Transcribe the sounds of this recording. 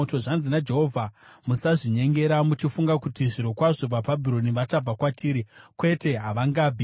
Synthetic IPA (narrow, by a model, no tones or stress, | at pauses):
oto̞ʐanzinad͡ʒe̞ɦovʱamusaʐiɲe̞ŋɡe̞ɾamut͡ʃifuŋɡakutiʐiɾo̞kwaʐo̞b͡vababʱiɾo̞niʋat͡ʃab͡vakwatʰiːɾikwe̞te̞ɦaʋaŋɡaːb͡vi